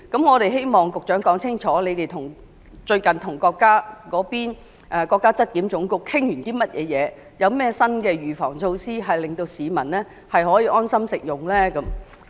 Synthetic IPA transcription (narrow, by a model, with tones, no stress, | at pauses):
kɐ˨˥mŋɔː˨˧ɾe˨jɦe˥jmɔː˨ŋkʊ˨k̚t͡ʃœː˨˥ŋkɔː˨˥ŋt͡sʰɪ˥ŋt͡sʰɔː˨˥le˨˧t̪e˨jt̪ʰʊ˨˩ŋ | t͡ʃɵ˧ɥkɐ˨nt̪ʰʊ˨˩ŋkɔː˧kːaː˥kɔː˨˥piː˥n | ʔɛ˨˧kɔː˧kːaː˥t͡sɐ˥t̚kiː˨˥mt͡sʊ˨˥ŋkʊ˨kkʰɪ˥ŋjyː˨˩nt̪iː˥mɐ˥t̚jʔɛ̰ː˨˧jɛː˨˧ | jɐ˨˧wmɛː˥sɐ˥nkɛː˧ɥyː˨˩fɔ̰ː˨˩ŋt͡ʃʰo˧wsiː˥ɦɐ˨jlɪ˨ŋt̪o˧wsiː˨˧mɐ˨˩nlɛː˥ | hɐ˨jɦɔː˨˥jiː˧ʔɔː˥nsɐ˥msɪ˨k̚jʊ˨ŋlɛː˥kɐ˨˥m